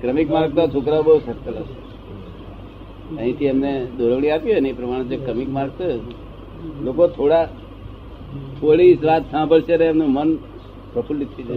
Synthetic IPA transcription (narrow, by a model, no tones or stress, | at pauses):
kɾəmikmaɾɡ̚t̪at͡ʃʰokɾaobəusəɾkələʃe | ə̃ɦĩt̪ʰiemned̪ʱoɾəʋɽ̃ĩapjiəneepɾəmaɽ̃ẽd͡ʒekɾəmikmaɾɡ̚t̪oe | lokot̪ʰoɽa | t̪ʰoɽisʋat̪sãbʱəɭʃeneːmnũmən | pɾəpʰulːit̪ʰːid͡ʒe